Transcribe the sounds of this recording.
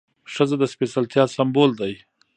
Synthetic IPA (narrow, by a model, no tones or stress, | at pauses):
ʂəzad̪əspesalt̪jɑsambold̪aj